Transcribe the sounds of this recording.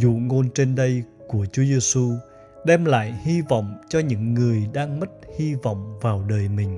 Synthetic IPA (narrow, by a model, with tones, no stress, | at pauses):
zṵ˧˨ŋo˧nt͡ɕe˧nɗə˧jku˧˩ət͡ɕu˨˦əzɛ˧su˧ | ɗɛ˧mla̰ː˧˨jhi˧vɔ̰˧˨wŋ͡mt͡ɕɔ˧ɲɨ̰˧˥ŋːɨ˨˩əjɗaː˧ŋmə˦˥t̚hi˧vɔ̰˧˨wŋ͡mvaː˨˩wɗəː˨˩jmï˨˩ŋ̟